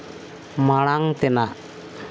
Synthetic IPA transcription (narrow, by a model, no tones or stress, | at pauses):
maɽaŋt̪enaʔ